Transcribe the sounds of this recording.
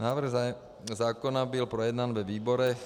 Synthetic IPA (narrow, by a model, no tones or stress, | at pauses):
naːʋr̩ɣ | zaːkɔnabilpɾɔjɛd̪nanʋɛʋiːbɔɾɛ